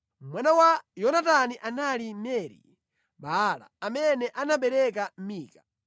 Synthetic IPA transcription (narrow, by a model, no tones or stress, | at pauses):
mwanawajɔnat̬aniʔanalimɛɾḭ | ɓala̰ːmɛnɛʔanaɓɛɾɛk̬am̩miːka